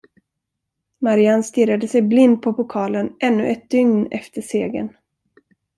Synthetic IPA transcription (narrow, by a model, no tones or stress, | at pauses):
maɾɪanst̪ɪɾad̪əsɛjblɪnd̪̚pʰɔpʊkʰɑːlənʔɛnːɵ̰ʔɛt̪̚d̪ʏŋnɛ̰ft̪əʂeːɡə̰n